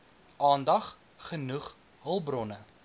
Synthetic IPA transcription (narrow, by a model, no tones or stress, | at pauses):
ʔɑːndɐχ | χənuχ | ɦəlˠbrɔnə